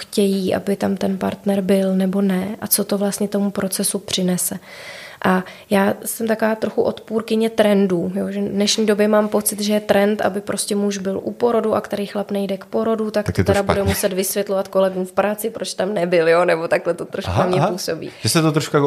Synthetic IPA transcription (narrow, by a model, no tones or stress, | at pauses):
xcɛjiːʔa̰bɪt̪amt̪ɛnpa̰ɾt̪nɛɾbɪlnɛbo̞nɛʔat͡so̞t̪o̞vlast̪ɲɛt̪o̞mupɾo̞t͡sɛsupr̝̥ɪnɛsɛ | ʔa | jaːsɛmt̪akovaːt̪ɾo̞xuʔo̞t̪puːɾkɪɲɛt̪ɾɛnduːjoʒɛdnɛʃɲiːdo̞bjɛmaːmpo̞t͡sɪt̪ʒɛjɛt̪ɾɛnt̪ʔa̰bɪpɾo̞scʲɛmuʒbɪlʔṵpo̞ɾo̞duʔakt̪ɛɾijxlapnɛjdɛkpo̞ɾo̞dut̪ak̪̚t̪ot̪ɛɾabudɛmusɛt̪vɪsvjɛt̪lo̞vat̪ko̞lɛɡuːmfpɾaːt͡sɪpɾo̞t͡ʃt̪amnɛbɪljonɛbo̞t̪aklɛt̪ot̪ɾoʃkknamɲɛpuːso̞bḭːʒ̥ɛsɛt̪ot̪ɾoʃka